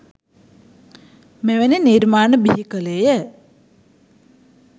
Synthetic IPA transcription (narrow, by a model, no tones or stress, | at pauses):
meʋeneniɾmaːnəbiɦikəlejə